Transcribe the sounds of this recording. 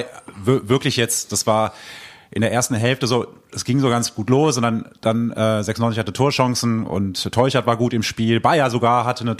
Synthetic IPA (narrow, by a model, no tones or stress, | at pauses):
ɪvvɪɐklɪçjɛt͡std̥asv̥aːɐʔɪ̰ndeːɐʔeːɐstn̩ɦɛlftəzo̥ː | ɛsɡ̥ɪŋzoːɡant͡sɡ̥uːtloːsɔndɐnd̥anʔɛːzɛksnɔnt͡sɪçhatətʰoːɐʃɔŋsn̩ʊ̰ntʰːɔʏçaɐtv̥aːɐɡuːtɪmʃpiːlbaɪɐzoɡaːɐɦatʰənə